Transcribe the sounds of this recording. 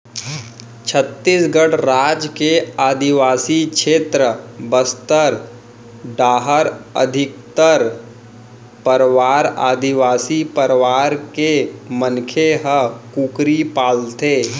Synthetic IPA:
t͡ʃʰət̪ːisɡəɽɾaːd͡ʒkeaːd̪iʋaːsikʃeːt̪ɾəbəst̪əɾ | ɖaːɦəɾə̰d̪ʱɪk̚t̪əɾ | pəɾʋaːɾa̰ːd̪ɪʋaːsipəɾʋaːɾkemənkʰeɦəkukɾipaːlt̪eː

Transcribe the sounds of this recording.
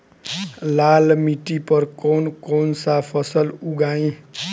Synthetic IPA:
lalmiʈipʌrkonkonsapʰʌsʌluɡaĩ

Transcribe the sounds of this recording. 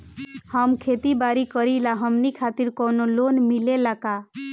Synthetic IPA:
həmkʰet̪ibaɾikəɾilaɦəmnikʰat̪iɾkɔnolonmilelaka

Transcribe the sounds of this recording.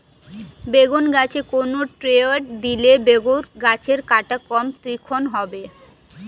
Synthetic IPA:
beɡonɡat͡ɕʰekonoʈɾeaʈd̪ilebeɡonɡat͡ɕʰeɾkaʈakɔmt̪ɾikʰonɦɔbe

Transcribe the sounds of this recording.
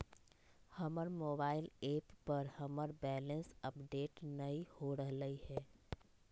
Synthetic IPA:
həməɾmoːbaːɪleːpːəɾhəməɾbɛːlə̃nsəpɖeːʈnəĩhoɾəɦləihɛː

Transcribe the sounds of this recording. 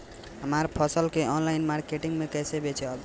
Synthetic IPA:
ɦəmaɾpʰəsəlkeɔnlajnmaɾkeʈiŋɡmekɛjsebet͡ʃʰeʌb

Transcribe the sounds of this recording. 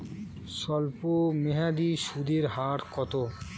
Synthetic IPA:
sɔlpomeɦad̪iʃud̪iɾɦaːʈkɔt̪o

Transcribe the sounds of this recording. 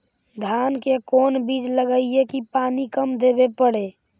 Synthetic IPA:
d̪ʱankekonbid͡ʒləɡəiekipanikəmd̪ebepəɽe

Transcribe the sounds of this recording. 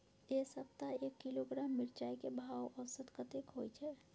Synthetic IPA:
esəp̚t̪aekːiloɡɾaːmːɪɾt͡ʃaːikebʱawʔɔsət̪kət̪ekɦojt͡ʃʰɛ

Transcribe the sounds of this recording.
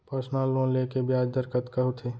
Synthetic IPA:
pəɾsnalõlekebjaːd͡ʒd̪əɾkət̪kəɦut̪ʰeː

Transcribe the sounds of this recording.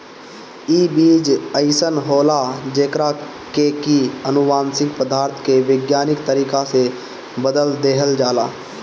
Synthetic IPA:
iːbiːd͡ʒəɪsənɦoːlad͡ʒeːkɾa | keːkiənʊʋaːnsɪ̃ŋɡpəd̪aːɾt̪ʰkeʋɪɡjaːnɪkt̪əɾiːkase | bəd̪əld̪eːɦəld͡ʒaːlaː

